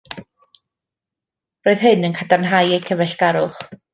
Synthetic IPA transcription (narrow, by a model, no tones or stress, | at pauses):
roːɨðɦɨnənkʰadarnɦajejkʰəvɛɬɡ̥aɾʊχ